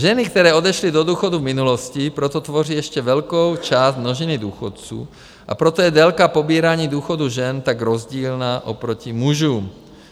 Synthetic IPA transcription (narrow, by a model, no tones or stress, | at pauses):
ʒɛnɪk̚t̪ɛɾɛːod̪ɛʃlid̪od̪uːxod̪uvmɪnuloscipɾot̪ot̪voriːjɛʃcɛvɛlkowt͡ʃaːstnoʒinid̪uːxot̪̚t͡sṵː | ʔa̰pɾot̪ojɛd̪ɛlkapobiːɾaːɲiːd̪uːxod̪uʒɛnt̪aɡɾozɟiːlnaːʔopɾocimuʒuːm